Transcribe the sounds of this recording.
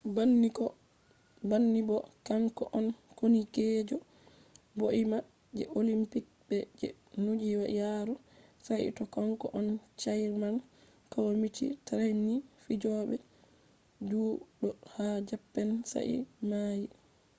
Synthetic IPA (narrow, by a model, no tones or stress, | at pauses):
banːikɔ | banːibɔkamkɔʔɔnkoniked͡ʒɔ | boʔima | d͡ʒɛ̰ʔolimpik̚bɛd͡ʒɛ̰ | nud͡ʒiwajaɾusajḭtɔkaŋkɔ̰ʔɔnt͡ʃajɾman | kawmitḭtaɾajnifid͡ʒɔɓɛ | d͡ʒuːɗɔhad͡ʒapːɛnsa̰ʔḭmaːji